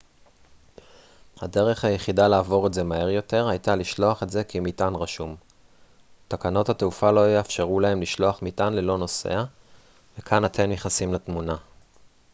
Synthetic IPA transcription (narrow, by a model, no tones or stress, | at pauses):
hade̞ʁe̞χhajeχidalaːvo̞ʁeze̞mahe̞ʁjo̞te̞ʁhajt̪aliʃlo̞aχetze̞kimitanʁaʃum | t̪akano̞thateufalo̞jeafʃeʁulahe̞mliʃlo̞aχmitanlelo̞no̞se̞̰a | vekʰanat̪ʰe̞mjeχasimlat̪muna